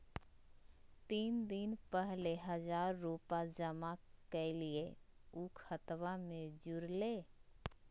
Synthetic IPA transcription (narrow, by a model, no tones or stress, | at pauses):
t̪iːnd̪ɪnpəɦleɦəd͡ʒaːɾːupad͡ʒəmakelieukʰət̪ʋamẽd͡ʒʊɾleː